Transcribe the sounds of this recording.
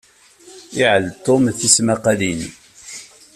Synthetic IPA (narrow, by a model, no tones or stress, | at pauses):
ɪʕəlt̪ˤːomθismaqalin